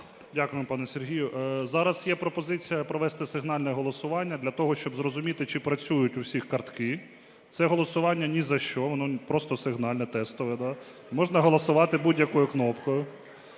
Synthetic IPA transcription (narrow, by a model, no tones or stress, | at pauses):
dʲakʊjempɑnɛsʲerɦʲijʊʔzɑɾɐsjɛpɾɔpɔzɪt͡sʲijɐpɾɔʋɛst̪ɪsɪɦnɑlʲnɛɦɔlˠɔsʊʋɑnʲːɐd̪lʲɐt̪ɔɦɔʃt͡ʃɔbzɾɔzʊmʲit̪ɪt͡ʃɪpɾɐt͡sʲujʊtʲʊwsʲixkɐrt̪kɪ | t̪sɛɦɔlˠɔsʊʋɑnʲːɐnʲizɐʃt͡ʃɔʋɔnɔpɾɔst̪ɔsɪɦnɑlʲnɛt̪ɛst̪ɔʋɪd̪ɑ | mɔʒnɐɦɔlˠɔsʊʋɑt̪ɪbudʲjɐkɔjʊknɔpkɔjʊ